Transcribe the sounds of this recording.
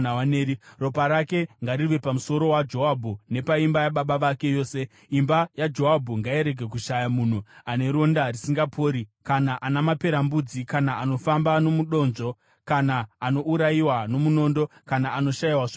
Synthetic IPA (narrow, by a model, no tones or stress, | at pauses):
aaneːɾiro̞paɾake̞ŋɡaɾiʋe̞pamuso̞ɾo̞wad͡ʒo̞ɦabʱune̞paimbajaɓaɓaʋake̞jo̞ːse̞ | imbajad͡ʒo̞ɦabʱuŋɡaiɾe̞ɡʱe̞k̬uʃajamun̤uane̞ɾo̞ndarisiŋɡapʰo̞ːɾikanaʔanamape̞ɾambud͡zikanaːno̞fambano̞muɗo̞ːnd͡ʒo̞ | kanaːno̞uɾaiwano̞muno̞ːndo̞kanaːno̞ʃajiwaʐ